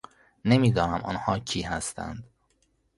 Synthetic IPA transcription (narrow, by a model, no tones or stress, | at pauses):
nemiːd̪ɒːnæmʔɒ̰ːnhɒːcʰiːɦæst̪ʰæ̰nd̪